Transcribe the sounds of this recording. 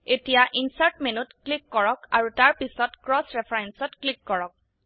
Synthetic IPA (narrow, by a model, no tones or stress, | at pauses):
etijaʔinsaɹʈmenutklikːɔɹɔkaɹutaɹpisɔtkɹɔsɹɛpʰajɛnsɔtklikːɔɹɔk̚